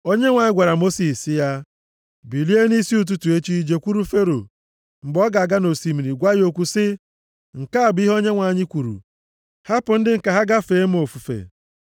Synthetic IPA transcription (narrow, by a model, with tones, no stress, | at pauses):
o˦ɲe˦ŋʷa˨ɲɪ˦ɡʷa˨ɾa˨mo˦si˨si˦ja˦ | bi˨li˦e˦ni˦si˦u˨t̬u˦tu˨e˦t͡ʃi˦d͡ʒe˦kʷu˦ɾu˦fe˦ɾo˨ | m̩˨ɡ͡bɔ˦ɡa˨a˨ɡa˦no˨si˨mi˨ɾi˨ɡʷa˦jo˨kʷu˦sɪ˦ | ŋ̩˨ka˦a˨bi˦ɦo˦ɲe˦ŋʷa˨ɲɪ˦kʷu˨ɾṵ˨ | ha˦pʊ˨n̩˦dɪ˦ŋ̩˨ka˨ɦa˦ɡa˦feː˨˦m̩˦o˨fu˨fḛ˨